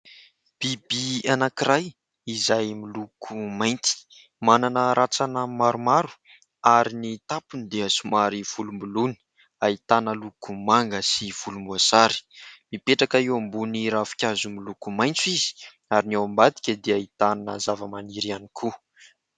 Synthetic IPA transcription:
b̥ibianakiɾaj | izajmilukʰumajnt̪i̥ | mananəɾat͡sanəmaɾumaɾu̥ | aɾinit̪apunid̪eəsumaɾiv̥ulumbuluni̥ | ait̪anəlukumaŋɡəsiv̥ulumbuasaɾi̥mipeʈ͡ʂakaiwambuniɾafi̥kʲazumilukumajnt͡sizi̥ | aɾinawambad̪i̥kʲəd̪eait̪anəzavəmaniɾianikʰu

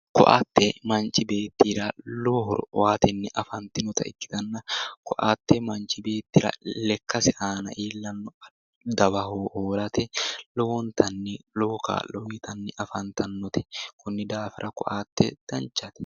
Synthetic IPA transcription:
kɔ̰ʔa̰t̪ːɛmɐnt͡ʃɪbeːt̪ːiɾaloːɦɔ̰ɾwaːt̪ɛnːɪʔɐfɐnt̪ɪnʊt̪ɐ̰ɪ̰kːɪ̥t̪ɐnːɐkɔʔaːt̪ːɛmɐnt͡ʃɪbe̞ːt̪ːɪɾɐ̰lɛkːɐsɪʔaːnɐ̰ʔiːlːɐnːɔ | d̪ɐbɐɦoːhoːlɐt̪ɛlɔwɔnt̪ɐnːɪloːka̰ːllɔwit̪ɐnːɪʔɐfɐnt̪ɐnːɔt̪ɛ̥kʊnːɪd̪aːfɪ̰ɾʔɐkɔʔaːt̪ːɛ̰d̪̥ɐnt͡ʃːɐt̪ɛ̥

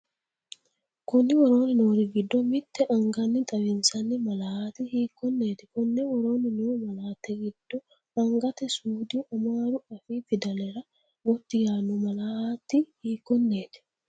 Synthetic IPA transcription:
kʊnːɪwɔɾo̞ːnɪnoːɾɪɡɪd̪ːɔmɪt̪ːɛʔɐŋɡɐnːɪt̪ʼɐbɪnsɐnːɪmɐlahaːt̪ɪhiːkːɔnːeːt̪ɪ̥kʊnːɛwɔɾo̞ːnɪnuːmɐlaːt̪ːɛɡɪd̪̥ːɔ | ɐŋɡɐt̪ɛsuːd̪ɪʔɐmaːɾʊɐfiːfɪd̪ɐlɛɾɐ | ɡɔt̪ːɪjaːnʊmɐlahaːt̪ːɪhiːkːɔnːe̞ːt̪ɪ̥

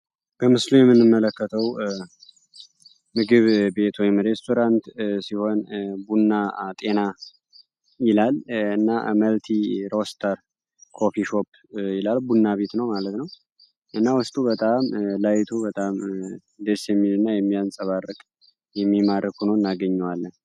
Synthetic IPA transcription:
b̥əmɨslujɛmːɨnːɨmːələkːət̪ʰəw | mɨɡɨβbe̞t̪wɔjɪmɾe̞st̪ʰo̞ɾant̪siho̞nbunːat̪ʼe̞na | jɪlalɨnːaməlt̪ʰiɾo̞st̪ʰəɾ | kʰo̞fiʃo̞pː | jɪlalbunːaβe̞t̪nəwmalət̪nəw | ʔɨnːawʊst̪ʼubət̪ʼamlajt̪ʰubət̪ʼam | d̪esjɛmːilɨnːajɛmːijansʼəβarːɨkʼ | jɛmːimaɾɨkunoɨnːaɡəɲːɛwalːən

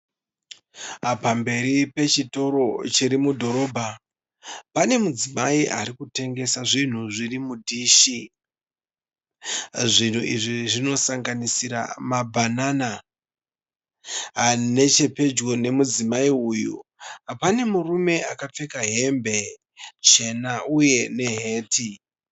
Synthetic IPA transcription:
pambe̞ɾipe̞t͡ʃito̞ɾo̞t͡ʃiɾimudʱo̞ɾo̞ːbʱa | pane̞mud͡zimaiʔa̰ɾikute̞ŋɡe̞saʐin̤uʐirimudʱiːʃi | ʐin̤uʔiʐiʐino̞saŋɡanisiɾa̰mabʱanaːna | ɦane̞t͡ʃe̞pe̞d͡ʒɡo̞ne̞mud͡zimaiujṵɦapane̞murume̞akap͡fe̞kaɦe̞mbe̞ | t͡ʃe̞nauje̞ne̞ɦe̞ːti

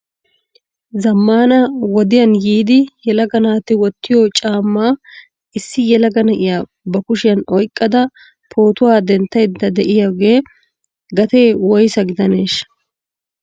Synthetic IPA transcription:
zɐmːaːnɐwɔd̪ɪjɐnjiːd̪ɪjɛlɐɡɐnaːt̪ɪwɔt̪ːɪjɔt͡ʃʼaːmːaː | ɪsːɪjɛlɐɡɐnɐʔɪjaː | bɐkʊʃɪjɐnɔjkʼːɐd̪ɐ | pʰo̞ːt̪ʊwaːd̪ɛnt̪ːɐjd̪ːɐd̪ɛʔɪjaɡe̞ː | ɡɐt̪e̞ːwɔjsɐɡɪd̪ɐne̞ːʃ

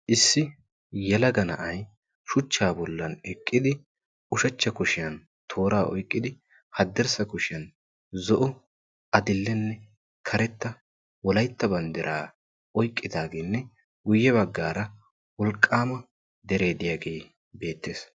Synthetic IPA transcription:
ʔɪsːɪ | jɛlɐɡɐnɐ̰ʔɐj | ʃʊt͡ʃːaːbɔlːɐnɛkʼːɪd̪ɪ | ʊʃɐt͡ʃːɐkʊʃɪjɐn | t̪ʰo̞ːɾaːʔɔjkʼːɪd̪ɪ | hɐd̪ːɛɾsɐkʊʃɪjɐn | zɔʔɔ | ɐd̪ɪlːɛnːɛ | kʰɐɾɛt̪ːɐ | wɔlɐjt̪ːɐbɐnd̪ɪɾʔaː | ɔjkʼːɪd̪aːɡeːnːɛ | ɡʊjːɛbɐɡːaːɾɐ | wɔlkʼːaːmɐ | d̪ɛɾe̞ːd̪ɪjaːɡe̞ː | be̞ːt̪ːeːs

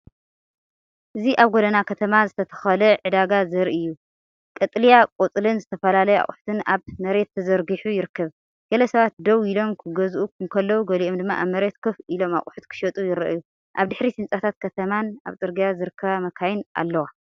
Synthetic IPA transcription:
ʔɨziʔaβɡod̪ɐnakʰɐt̪ʰɐmazɨt̪ʰɐt̪ʰɐ̥xɐlɐʕɨd̪aɡazɐɾiʔɨjːu | kʼɐt̪ʼlijakʼot͡sʼlɨnzɨt̪ʰɐfɐlalɐjɛa̰χʼʊħu̥t̪ʰɨnaβmɐɾe̞t̪ːʰɐzɐɾɡɨħujɪɾɨkʰːɐβ | ɡ̥ɐlɐsɐβat̪̚d̪ɐwilo̞mkʰɨɡɐzʔukʰumkʰɐlːɐwuɡɐliʔomd̪ɨmːa̰ʔaβmɐɾe̞t̪kʰɨfilo̞ma̰χʼuħut̪kʰɨ̥ʃɐt̪ʼujɪɾɐ̰ʔju | ʔa̰βd̪ɨħɾisɨnt͡sʼat̪ʰat̪̚kʰɐt̪ʰɐmana̰βt̪ʼɨɾɡijazɨɾɨkʰːɐβamɐkʰajɪnʔa̰lːɐwa

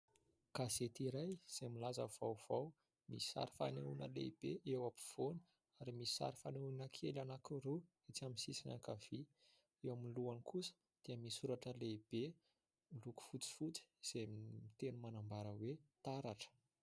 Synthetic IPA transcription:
kazet̪iɾajz̥emilazəv̥awv̥aw | mi̥sa̰ɾi̥fa̰neunəlḛib̥eʔewapu̥v̥onə̥ | aɾimisi̥sa̰ɾifaneunəkʰelanakuɾu | et͡saminsisina̰kav̥i | ewaminluanikʰusə̥ | d̪̥eəmisuɾaʈ͡ʂəleib̥e | miluku̥fut͡si̥fut͡si̥z̥emit̪enumanambaɾəwet̪aɾaʈ͡ʂə̥

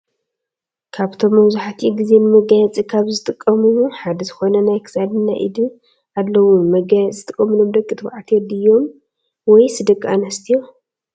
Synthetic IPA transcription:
kʰaβt̪ʰo̞mːɐwzuħat̪ʰiɡize̞nɨmɐɡajɛt͡sʼikʰaβzɨt̪ʼɨkʼːɐmuuħad̪ɐzɨxo̞nɐnajkʰɨ̥sad̪ɨnːa̰ʔḭd̪ɨ | ʔad̪ːɐwumɐɡajɛt͡sʼzɨt̪ʼɨkʼːɐmɨlo̞md̪ɐkʼːɨt̪ʰɨbʕat̪ʰɛd̪ɨjːo̞m | wɔjsɨd̪ɐkʼːanɐst̪ʰijo

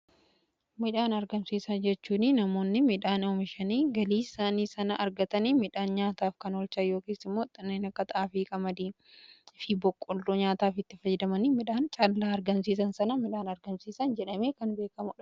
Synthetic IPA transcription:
mɪᶑaːnɐɾɡɐmsiːsɐnd͡ʒɛt͡ʃːuːnɪnɐmo̞ːnːɪmɪᶑaːnoːmɪʃɐniːɡɐliːsaːniːsɐnɐʔɐɾɡɐt̪ɐniːmɪᶑaːnɲaːt̪aːfkɐnɔlt͡ʃɐjo̞ːkeːsɪmːo̞ːt̪ʼɪnːeːnɐkːɐt̪ɐʔaːfiːkʼɐmɐd̪iː | ɪfɪbɔkʼːʊlːuɲaːt̪aːfɪt̪ːɪfɐjɛd̪ɐmɐniːmɪᶑaːnt͡ʃʼɐllːaːɐɾɡɐmsiːs̬ɐnsɐnɐmɪᶑaːnɐɾɡɐmsiːsɐnd͡ʒɛᶑɐme̞ːkɐnbe̞ːkɐmʊᶑɐ̥

